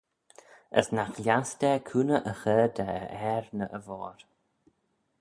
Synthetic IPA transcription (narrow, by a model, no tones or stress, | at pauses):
ə̰snaxljasd̪ɛkʰuːnəʔəxəːd̪əəɛɾnəʔəvɔːɾ